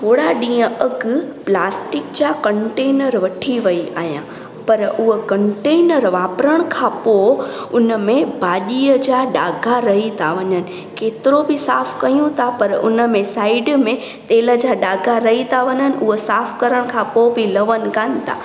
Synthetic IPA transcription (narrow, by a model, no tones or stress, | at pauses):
t̪ʰoːɽaɗĩːə̃ʔɐɡplaːsʈɪkd͡ʑaːkɐ̃ɳʈeːnəɾʋɐʈʰiʋɐia̰ːɦijã | pɐɾʊɦəkɐ̃ɳʈeːnəɾʋaːpɾəɽ̃kʰãːpoʊnəmẽbaːʄiəd͡ʑaːɖaːɡʱaɾɐɦit̪ʰaʋɐɲənɪ̆ | keːt̪ɪɾobɪsaːfkɐijũt̪ʰapɐɾʊ̰nə̆mẽsaːɪɖmẽ | t̪eːlə̆d͡ʑaːɗaːɡʱaɾɐɦit̪ʰaʋɐɲənɪ̆ʔʊɦəsaːfkɐɾəɽ̃kʰãpobɪlɐʋənɪ̆kaːnɪ̆t̪ʰa̰